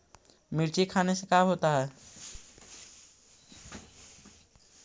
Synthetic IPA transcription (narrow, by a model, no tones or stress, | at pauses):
mɪɾt͡ʃekʰaːnesekaːɦoːt̪aɦɛː